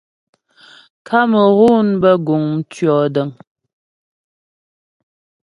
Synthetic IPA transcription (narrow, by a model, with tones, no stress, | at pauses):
kʰa˦mə˨ɣu˦nbə˦ɡu˨ŋ̩˦t͡ʃɥɔː˨də˨m